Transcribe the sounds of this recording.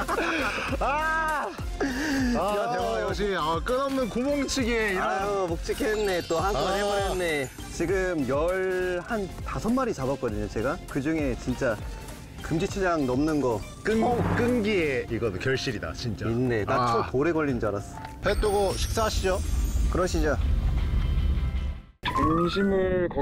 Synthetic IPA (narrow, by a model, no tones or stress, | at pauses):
a | jaejʌɕʰiak͈ɯnʌmnɯnkumoŋt͡ɕʰiɡeiɾʌʌmok̚t͡ɕ͈ʰikʰenːe̞t͈ohanʰoɦeʌenːe | t͡ɕiɡɯmjʌɭhantasʰʌnmaɾit͡ɕabʌk͈ʌdɯɲot͡ɕe̞ɡakɯd͡ʑuŋe̞t͡ɕint͡ɕ͈a | kɯmd͡ʑit͡ɕʰed͡ʑaŋnʌmnɯnɡʌ | k͈ɯnk͈ɯnɡieiɡʌnkjʌɭɕ͈iɾida̰t͡ɕint͡ɕ͈ainːe̞nat͡ɕʰotoɾe̞ɡʌʎːind͡ʑoaɾas͈ | pet͈oɡoɕʰi̥k̚s͈aɦaɕʰid͡ʑokɯɾʌɕʰid͡ʑo | ŋɕʰimɯk